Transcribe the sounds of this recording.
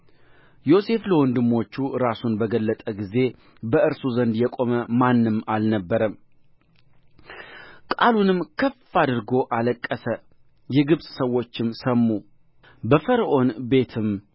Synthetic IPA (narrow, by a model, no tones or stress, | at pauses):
jo̞se̞fləwɔnd̪ɨmːo̞t͡ʃːuɾasunbəɡəlːət̪ʼəɡize̞ | bəɨɾsuzənd̪jɛkʼo̞məmanːɨmalnəbːəɾəm | kʼalunɨmkʰəfad̪ɨɾɡo̞ʔaləkʼːəsə | jɛɡɨβsʼsəwːo̞t͡ʃːɪmsəmːu | bəfəɾʔo̞nbe̞t̪ʰɨm